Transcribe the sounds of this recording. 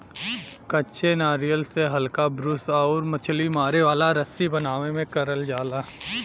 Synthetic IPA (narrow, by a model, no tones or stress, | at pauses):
kɐtːʃʰenaːɾijəlseɦɐlkabɾʊsɔːɾmɐt͡ʃʰlimaːɾeʋaːlaɾɐsibɐnaːʋemẽkɐɾəld͡ʒaːlaː